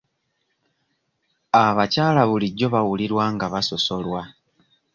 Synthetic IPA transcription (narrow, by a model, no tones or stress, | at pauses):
aβacaːlaβuliɟːo̞βawuliɾwaːŋɡaβaso̞so̞lwa